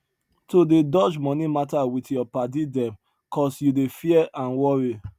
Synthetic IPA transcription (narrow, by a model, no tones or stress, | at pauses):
todedɔd͡ʒmɔ̃nimatawitjɔpadidɛ̃m | kɔsjudefiɛʔãnwɔɹi